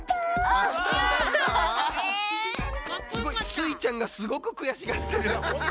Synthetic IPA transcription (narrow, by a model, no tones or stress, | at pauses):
aãnd̪ãa | sɨɡo̞isɨit͡ɕãŋɡasɨɡo̞kɯ̟kɯ̟jaɕiɡat̪ʰːeɾ